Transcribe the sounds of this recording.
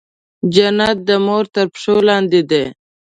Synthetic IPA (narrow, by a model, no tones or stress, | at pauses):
d͡ʒanat̪̚d̪əmoɾt̪əɾpʂolɑːnd̪id̪e